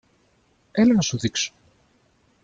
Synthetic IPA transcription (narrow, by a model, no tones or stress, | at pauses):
elenɐsuðikso̥